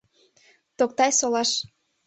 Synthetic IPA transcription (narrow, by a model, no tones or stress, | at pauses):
t̪ok̚t̪ɑjsolɑʃ